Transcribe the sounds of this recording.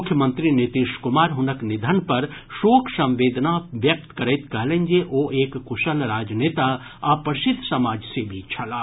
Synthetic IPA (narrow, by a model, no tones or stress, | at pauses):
mʊkʰjəmə̃nt̪ɾinit̪iʃkʊmaːɾɦʊnəknɪd̪ʱənpɐɾʃoːkʰsɐ̃mʋeːd̪naʋjɐk̚t̪kɐɾət̪kɐɦlẽnd͡ʒeʔoːʔeːkːʊʃəlɾaːd͡ʒneːt̪a | aːpəɾʃɪd̪ʱːsɐmaːd͡ʒsebʱit͡ʃʰɐlaː